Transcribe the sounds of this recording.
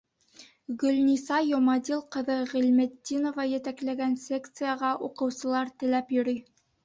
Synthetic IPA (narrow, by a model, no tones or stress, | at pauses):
ɡɵ̆lnʲisɑjomɑd̪ʲilˠqɤ̆ðɤʁælmɘd̪ːinovɑjæ̆t̪æklæɡænsʲekt̪sɨjəʁɑʔuqɤ̆wsɤ̆lˠɑɾt̪ɘ̆læpjɵ̆ɾɵj